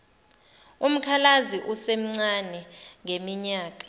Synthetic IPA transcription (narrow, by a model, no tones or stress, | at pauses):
um̩kʰalaziʔusem̩ŋ͡ǀanɛŋʱemiɲaːk̬ʼḁ